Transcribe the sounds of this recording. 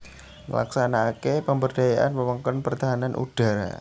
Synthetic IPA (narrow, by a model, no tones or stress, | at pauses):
ŋə̰la̰ksanakepəmbərdajaʔa̰nməməŋkɔnpərt̪aɦananʔṵd̥a̤ɾa̰